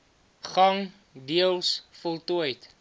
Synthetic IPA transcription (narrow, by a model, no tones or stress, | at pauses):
χɐŋ | diəlˠsfɔlˠtuəjt